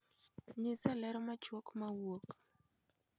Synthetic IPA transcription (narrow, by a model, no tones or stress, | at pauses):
ɲɪsalɛɾɔmat͡ʃwɔkmawok